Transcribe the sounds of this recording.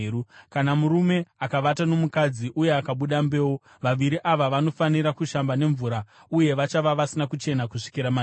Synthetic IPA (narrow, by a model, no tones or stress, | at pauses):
ukanamuɾume̞akaʋatano̞mukad͡ziʔuje̞akaɓuɗambe̞ːwo | ʋaʋiɾiʔaʋaʋano̞faniɾakuʃambane̞ɱvuːɾa | uje̞ʋat͡ʃaʋaʋasinakut͡ʃe̞nakuʂi̥kiɾama